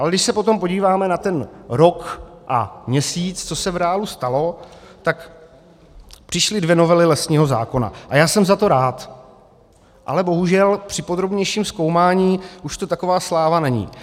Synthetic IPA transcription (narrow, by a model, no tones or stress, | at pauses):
ʔalɛdɪʃsɛpo̞t̪o̞mpo̞ɟiːvaːmɛnat̪ɛnɾo̞kʔa̰mɲɛsiːt͡st͡so̞sɛvɾɛːalust̪alo̞ | t̪ak | pr̥ɪʃlɪdvjɛno̞vɛlɪlɛsɲiːɦo̞za̰ːko̞na̰ʔajaːsɛmzat̪o̞ɾaːt̪ | ʔa̰lɛbo̞ɦuʒɛlpr̝̥ɪpo̞d̪ɾobɲɛjʃiːmsko̞wmaːɲiːʔuʃt̪o̞t̪ako̞vaːslaːvanɛɲḭː